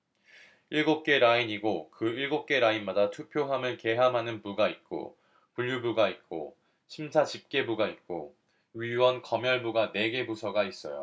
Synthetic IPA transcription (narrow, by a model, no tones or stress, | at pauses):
iɭɡop̚k͈e̞ɾaiɲiɡokɯiɭɡop̚k͈e̞ɾainmadatʰupʰjoɦamɯɭke̞ɦamɦanɯnpuɡait̚k͈o̰ | puʎːubuɡait̚k͈o̰ | ɕʰimsʰat͡ɕip̚k͈e̞buɡait̚k͈o̰ | ɥiwʌnkʌmjʌɭbuɡane̞ɡe̞busʰʌɡais͈ʌ̰jo̰